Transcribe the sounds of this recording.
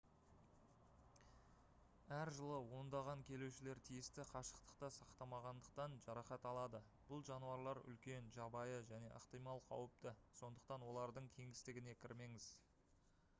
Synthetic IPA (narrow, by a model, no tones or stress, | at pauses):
æɾʒəlˠəwo̞nd̪ɑʁɑŋkʲʰe̞luwʃɪle̞ɾt̪ʰijɪst̪ɪqʰɑʃə̥qt̪ə̥qt̪ɑsɑqt̪ɑmɑʁɑnd̪əq̚t̪ɑnʒɑɾɑχɑt̪ɑlˠɑd̪ə | b̥ʊlˠʒɑnuɑɾlˠɑɾʏ̰lkʲe̞nʒɑbɑjəʒæne̞̰ʔəqt̪ijmɑlˠqʰɑ̰wəp̚t̪əso̞nd̪əq̚t̪ɑnwo̞lˠɑɾd̪əɴkʲʰe̞ŋɪst̪ɪɡʲɪne̞kʲʰɪɾme̞ŋɪz